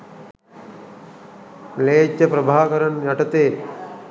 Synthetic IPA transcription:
mleːt̪jɐpɾɐbʱaːkɐɾɐnjɐʈɐt̪eː

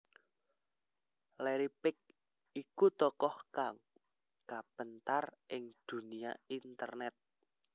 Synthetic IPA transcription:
lɛɾipɪk̚ | ikut̪ɔkɔhkaŋ | kapənt̪arʔɪŋd̪̥ṳnia̰int̪ərnɛt̪̚

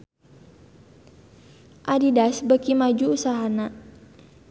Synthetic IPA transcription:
ʔadidasbəkimad͡ʒuːsaɦana

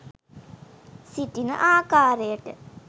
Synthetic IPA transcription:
sitinɐ̰ʔaːkaːɾejɐʈɨ

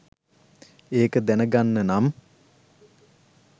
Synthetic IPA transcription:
eːkəd̪ænəɡanːənam

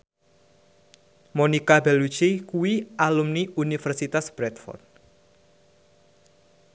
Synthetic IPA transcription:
monikabelut͡ʃikuwiʔalumniunifərsit̪asb̥ɾɛt̪̚fɔ̰rt̪̚

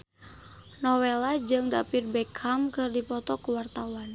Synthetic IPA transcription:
nɔwɛlad͡ʒɨŋdapirbɛkʰamkɨrdipɔt̪ɔkuwart̪awan

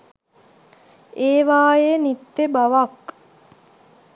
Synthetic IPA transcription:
eːʋaːjenit̪ːebaʋak

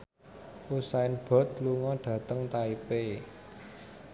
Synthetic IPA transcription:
ʔusaɪnb̥ɔ̤t̪luŋɔɖ̥ä̤t̪əŋt̪aipe

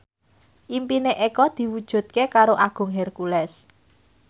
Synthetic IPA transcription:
ʔimpineʔekɔd̪̥i̤wud̥ʒ̥ṳt̪̚kekaɾoʔaɡ̥ʊ̤ŋɦɛrkulɛs

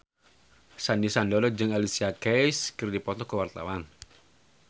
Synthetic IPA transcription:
sandisandɔɾɔd͡ʒɨŋalisiakɛjskərdipɔt̪ɔkəwart̪a̰wan

